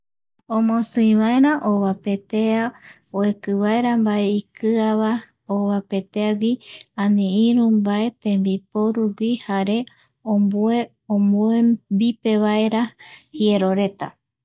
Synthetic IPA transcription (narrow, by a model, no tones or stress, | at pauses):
õmõsɨĩβaeɾãʔoβape̞t̪ea | oekɨβaeɾambaeikɨaβa | oβape̞t̪eaɡʷiãnĩĩɾũmbae̞t̪ẽmbipoɾuɡʷihaɾe̞ | oe | omuebipe̞βae̞ɾahie̞ɾo̞ɾe̞t̪a̰